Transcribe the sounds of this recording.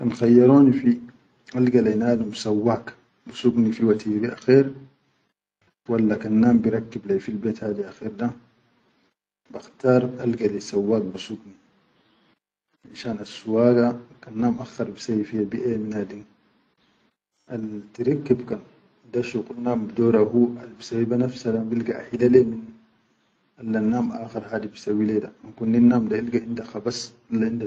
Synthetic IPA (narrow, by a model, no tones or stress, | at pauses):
kanxajːɑɾˤoːnifi | ʔalɡalanaːdumsawːaːk | busuɡnifiwat̪iɡaʔaxeːɾ | walːakanːaːmbiɾɑkːiblajfilbeːt̪haːd̪iaxiːɾda | baxt̪aːɾˤʔalɡalasawːaːk̚busuɡni | ʔaʃaːnasːuwaːɡakanːaːmʔaxaɾbisafijabiʔeminadiŋ | ʔaltiɾikːibkan | daʃuqunːaːmbidoːɾahualbisabibanafsadabilɡaa̰ħilalemin | ʔalːanːaːmʔaːxaɾhaːdibisawːileda̰ankunːinːaːmdailɡaʔindaxabas | alːainda